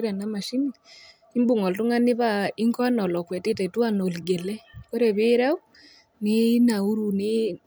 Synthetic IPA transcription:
ɾɛ˨na˦ma˨ʃi˦ni˨ | i˦mbu˨ŋɔ˨ltu˦ŋa˦nɪ˦βa˦i˦ŋkɔ˦a˦nɔ˨lɔ˨kwɛ˨tɪ˦tɛ˨tu˦a˨no˨lɡe˨lɛ˦ko˦ɾe˨βe˦ɾɛ˦u˦ | ni˦na˨u˦ɾu˨ni

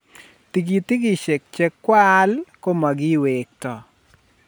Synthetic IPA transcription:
t̪i˨ɡi˨t̪i˦ɡi˦˨ʃe˨k̚t͡ʃɛ˦kːwa˦lko˦ma˨ɡɪ˦we˨k̚tɔ˨

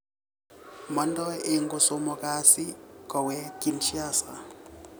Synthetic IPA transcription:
mɔ˨˦n˦dɔ˦ɪ˨ŋ̩˦ɡʊ˨so˦mɔ˨ka˦sɪ˦kɔ˨wɛ˦kʼi˨nʃa˦sa̰˨

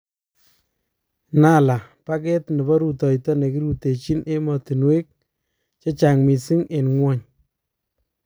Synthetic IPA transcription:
na˦la˨pa˦kɛ˦tnɪ˨bɔ˦ɾu˨tɔ˨jtɔ˦ne˨ki˦ɾu˦te˨t͡ʃi˦nʔe˦mɔ˨ti˨nwe˦k̚ | t͡ʃɔ˦t͡ʃa˨ŋmi˨si˦ŋe˨nŋwɔ˦ɲ

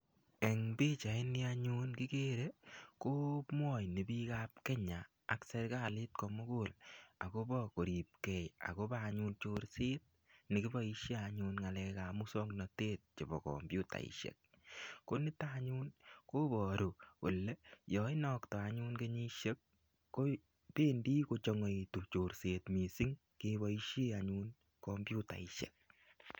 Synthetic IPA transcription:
e˨ŋbi˦t͡ʃa˨ɪ˦ni˦aɲu˦nki˦ke˦ɾe˦ko˦mwɔ˦˨jni˨bi˦ka˦p̚ke˦ɲaː˨kse˧ɾka˦lɪ˦t̚kɔ˧mo˦ko˦˨la̰˨ko˦bɔ˦ko˨ɾi˨p̚kɛ˨ja̰˨ko˦baː˦˨ɲu˧nt͡ʃo˦ɾsɪ˦t̚ | ni˨ki˦bɔ˦i˧ʃje˦a˧ɲu˧nŋa˨lɛ˧ka˨mu˦sɔ˦knɔ˨te˦t̚t͡ʃe˨bɔ̰˨kɔ̰˨mbju˦ta̰˨ḭ˨ʃḛ˨k̚ | ko˦ni˦taɲu˦nko˦bɔ˨ɾo˨ko˨lːe˦jɔ˨ɪ˦nɔ˨ktɔ˨a˨ɲu˦nke˦ɲi˦ʃe˦k̚ː | o˦ | peː˦ndi˦ko˧t͡ʃɔ˧ŋe˨itu˨p̚t͡ʃo˨ɾse˨tmi˨si˦ŋ | keβɔ˦i˦ʃe˦aɲun | kɔ˧mbju˦ta̰˨i˨ʃḛ˨k̚

